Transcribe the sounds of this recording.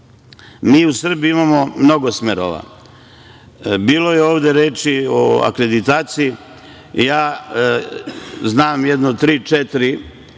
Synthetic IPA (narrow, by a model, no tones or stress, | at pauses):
miːusr̩biimamo̞mno̞ɡosmeɾo̰ʋa̰ | biːlo̞jeoːʋd̪e̞ɾeːt͡ʃioa̰kɾe̞d̪it̪aːt̪siji | jaː | znaːmjed̪not̪ɾiːt͡ʃet̪ɾi